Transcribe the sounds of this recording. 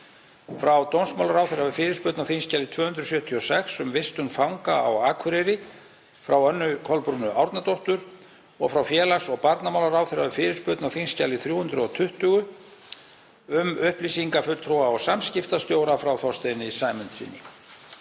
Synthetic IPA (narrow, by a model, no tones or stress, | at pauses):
fɾawt̪ownsmawlaɾawθɪɾavɪfɪːɾɪɾ̥spœt̪nawθinscalːɪt̪ʰvœːhʏnd̪ɾʏsjœːt̪ʰiɔsɛksʏmvɪst̪ʏnfawŋkaa̰waːkʰʏɾɛɾɪ | fɾawœnːʏkʰɔlpɾunʏʔawɾt̪nat̪oht̪ʏɾ | ɔ̰ɣfɾawfjɛːlasɔɣpaɾt̪namawlaɾaːwθɪɾavɪfɪːɾɪ̥spʏt̪nawθinscalɪθɾjuːhʏnd̪ɾʏɔt̪ʰʏht̪ʏɣʏ | ʏmʏhplisiŋkafʏlt̪ʰɾoːwaɔsamscɪft̪ast̪joːwɾafɾawθɔst̪ejnɪisaːjmʏnt̪sḭnːḭŋ